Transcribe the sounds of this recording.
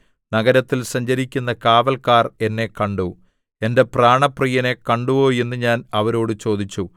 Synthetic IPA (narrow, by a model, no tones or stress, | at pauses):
nɐɡɐɾɐt̪ːilsɐɲd͡ʑɐɾikʲːunːɐkaːʋɐlkaːre̞nːe̞kɐɳɖu | e̞nde̞praːɳɐprijɐne̞kɐɳɖuʋoːje̞nːɨɲaːnɐʋɐɾo̞ːɽɨt͡ɕo̞ːd̪it͡ɕːu